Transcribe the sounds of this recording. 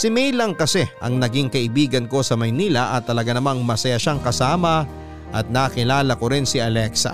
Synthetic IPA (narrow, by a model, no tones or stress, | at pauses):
sɪmɛjlɐŋkɐsɛʔɐ̰ŋnɐɡiŋkɐʔɪbiːɡɐnko̞sɐmɐjniːlɐʔɐt̪ːɐlɐɡanɐmaŋmɐsɐjaʃaŋkɐsaːmɐ | ʔɐt̪̚naːkɪlaːlɐkoɾɪnsɪɐlɛksɐ̰